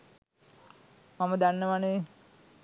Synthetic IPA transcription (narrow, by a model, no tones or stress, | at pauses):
maməd̪anːəʋane